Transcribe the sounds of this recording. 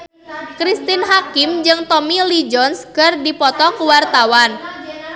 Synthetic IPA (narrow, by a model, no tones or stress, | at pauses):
kɾist̪inɦakɪmd͡ʒɨŋt̪ɔmilid͡ʒɔnskərdipɔt̪ɔkuwart̪awan